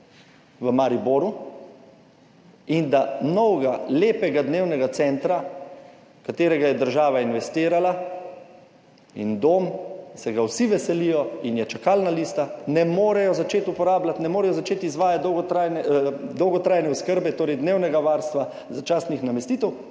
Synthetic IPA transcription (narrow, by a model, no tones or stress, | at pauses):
ʋəmaɾiboːɾu | ind̪anɔwɡaleːpɛɡad̪neːwnɛɡat̪sɛnt̪ɾa | kat̪eːɾɛɡajɛd̪əɾʒaːʋainʋɛst̪iːɾala | ḭnd̪oːmsɛɡawsiʋɛsɛlijɔinjɛt͡ʃakalnaliːst̪anɛmoːɾɛjɔzat͡ʃeːt̪upɔɾaːblat̪nɛmoːɾɛjɔzat͡ʃeːt̪izʋaːjat̪̚d̪ɔwɡt̪ɾajnɛd̪ɔwɡɔt̪ɾaːjnɛuskəɾbɛt̪oːɾɛjd̪neːwnɛɡaʋaːɾst̪ʋa | zat͡ʃaːst̪nixnamɛst̪iːt̪ɛw